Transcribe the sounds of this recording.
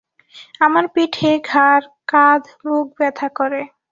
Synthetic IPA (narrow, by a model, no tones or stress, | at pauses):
amaɾpiʈʰeɡʱaɾkad̪ʱ | buɡ̚bɛt̪ʰakoɾe